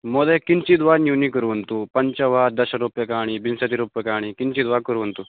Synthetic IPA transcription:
mɔd̪ekint͡ɕid̪ʋanjunikəɾuɦənt̪uːpəɲt͡ɕəʋaːɾd̪ɐɕəɾupjəkaːɽ̃iːbinset̪iɾupjəkaːɽ̃iːkint͡ɕiːd̪ʋakəɾuʋnt̪u

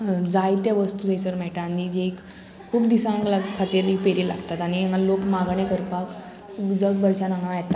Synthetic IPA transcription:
d͡zajt̪jaʋəst̪ut̪ejsəɾmɛɭʈanid͡ʑeekʰː | uːpd̪isãŋɡlakʰːat̪iːɾipeɾila̰ɡt̪at̪aɽ̃iŋalokmaɡɳekəɾpak | sd͡zəɡ̪̚bəɽt͡ɕanãŋɡãʋjet̪a

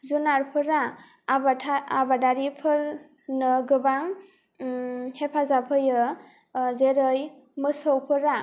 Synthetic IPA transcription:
zunaɾpʰɯɾa | baaabadaɾipʰɯɾ | nɯɡɯbaŋ | hepʰazapʰɯjɯ | zeɾɯj | mɯsɔwpʰɯɾa

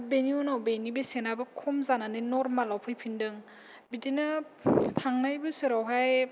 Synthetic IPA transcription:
beniunawbenibesenabɯkʰɔmzananɯnɔɾmalawpʰɯjpʰindɯŋ | bidina | tʰaŋnajbɯsɯɾawɦaj

